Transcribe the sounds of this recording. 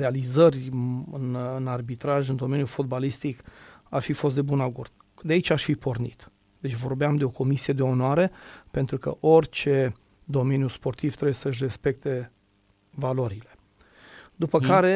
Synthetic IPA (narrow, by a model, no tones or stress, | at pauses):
ɾealizərʲɨnɨnarbit̪ɾaʒɨnd̪o̞me̞njufod̪balist̪ikarfifo̞s̬t̪d̪e̞bunaɡord̪̥̚ | d̪eait͡ʃaʃfipo̞rnḭt̪ | d̪e̞t͡ʃvo̞rbeamd̪e̞o̞ko̞misie̞d̪e̞o̞noaɾe̞pe̞nt̪ɾukə̰ʔorʲt͡ʃe̞ | d̪o̞me̞njuspo̞rt̪ivt̪ɾebjesəɨʃ̬re̞spe̞k̚t̪e̞ | valo̞ɾile̞ | d̪upəkaɾe̞